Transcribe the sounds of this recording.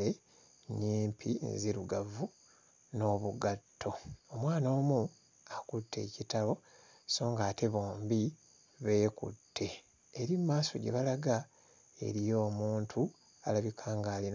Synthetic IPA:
e | niːmpʰḭziɾuɡavu | no̞βuɡatːo̞omwaːno̞ːmu | akutʰːe̞̰citaβo̞ | so̞ːŋɡaːte̞βo̞ːmbi | βe̞ːkṵtʰːe̞ː | ɾimːaːso̞̰ɟḛβalaɡa | e̞̰ɾijo̞ːmuːntʰu | alaβikʰaːŋɡaːlin

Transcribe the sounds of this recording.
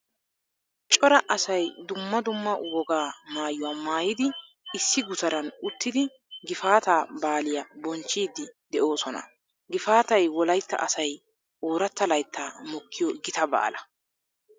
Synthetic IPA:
t͡ʃʼɔɾɐʔɐsɐjd̪ʊmːɐd̪ʊmːɐwɔɡaːmaːjʊwaːmaːjɪd̪ɪ | ɪsːɪɡʊt̪ɐɾɐnʊt̪ːɪd̪ɪ | ɡɪfaːt̪aːbaːlɪjɐbɔnt͡ʃːiːd̪ːɪd̪ɛʔo̞ːsɔnɐ̰ | ɡɪfaːt̪ɐjwɔlɐjt̪ːɐ̰ʔɐsɐj | ʔoːɾɐt̪ːɐlɐjt̪ːaːmɔkːɪjɔɡɪt̪ɐba̰ːlɐ

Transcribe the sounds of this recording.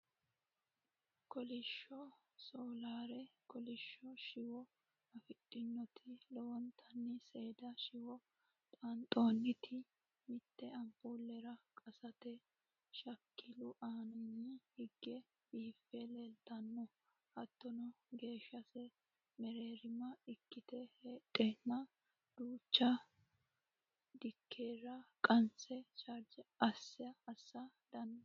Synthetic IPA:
kɔlɪʃːɔ | soːlaːɾɛkɔlɪʃːɔʃɪwɔ | ɐfɪtʼːɪnːɔt̪ʰɪlɔwɔnt̪ʰɐnːɪse̞ːd̪ɐʃɪwɔ | t̪ʼɐnt̪ʼo̞ːnːɪt̪ʰɪ | mɪt̪ːɛɐmpuːlːɛɾɐkʼɐsɐt̪ɛ | ʃɐkʰːɪlʊʔaːnɐnːɪhɪɡːɛ | biːfːɛleːlt̪ɐnːɔ | hɐt̪ːɔnɔɡe̞ːʃːɐsɛ | mɛɾeːɾɪmɐɪkːɪt̪ɛheːt̪ʼːenːɐ | d̪̥uːt͡ʃːɐ | d̪ɪkʰːeːɾɐkʼɐnsɛt͡ʃʼɐɾd͡ʒɛɐsːɪɐːsːɐ | d̪̥ɐnːɔ

